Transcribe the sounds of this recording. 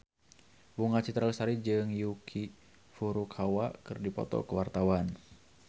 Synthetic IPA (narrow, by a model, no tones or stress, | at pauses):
buŋat͡ʃit̪ɾalsaɾid͡ʒɨŋjukʰi | fuɾukʰawakɨrdipɔ̰t̪ɔ̰kəwart̪awan